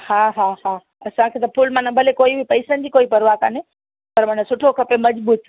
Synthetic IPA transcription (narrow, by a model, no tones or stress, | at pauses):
haːɦaɦaː | ɐsãkʰeːt̪̬ɐpʰʊlmãnɐ̃bʱɐlekoːibʱɪpɐɪsənɪd͡ʑiːkoːipɐɾʋaka̰ːne | pɐɾmãːnasʊʈʰokʰɐpemɐd͡ʑbuːt̪̚ʰ